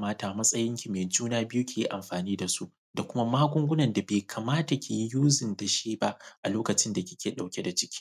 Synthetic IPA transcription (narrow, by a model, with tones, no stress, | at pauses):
maː˦taː˨mɐ˦sʼɐ˦jɪ˦ŋkʲi˨meː˨d͡ʒuː˦naː˦bɪ˦ju˦kʲeː˨ji˦ʔa˨mɸaː˨niː˦da˨su˦ʔ | da˨kʷʊ˦ma˦maː˦ɡʷʊ˦ŋɡʷʊ˦nɐ˨nda˨beː˨kʰaː˨maː˦ta˨kʲe˨ji˦juː˦zɪ˨nta˨ʃeː˦ba˦ʔa̰˨loː˦kɐ˨t͡ʃɪ˦nda˨kʲɪ̥˦kʲʰeː˨ɗa˨wkʲe˦da˨t͡ʃɪ̥˦kʲi̥ː˦